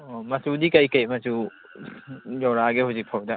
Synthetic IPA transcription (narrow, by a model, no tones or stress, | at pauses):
ɔmɐsudikajkajmɐsu | zɔwɾaɡehuzik̚pʰawda